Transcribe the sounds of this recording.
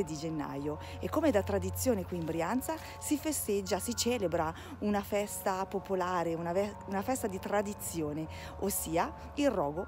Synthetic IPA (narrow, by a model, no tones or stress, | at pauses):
ed̪id͡ʒenːa̰jo | ekːomed̪at̪ːɾad̪it̪sːjoːnekwiːmbɾiant̪sa | sifest̪ed͡ʒːasit͡ʃɛːlebɾa | unafɛst̪apopolaːɾeunaɛ | unafɛst̪ad̪it̪ɾad̪it̪sːjoːne | osːiːa | ilrːɔːɡo